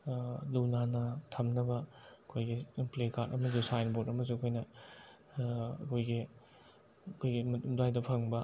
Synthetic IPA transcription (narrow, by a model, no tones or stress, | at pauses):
lunanɐtʰɐmnɐbɐɐkʰojɡimplekʰaɾʔɐmɐzusajnbotɐmɐz̬ukʰojnɐ | ɐkʰojɡi | ɐkʰojɡimmdajdɐpʰɐŋbɐ